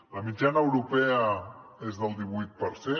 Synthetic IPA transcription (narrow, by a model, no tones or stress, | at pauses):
ləmid͡ʒanəːwɾupɛəezðəlˠd̪iβ̞ujt̪̚pəɾse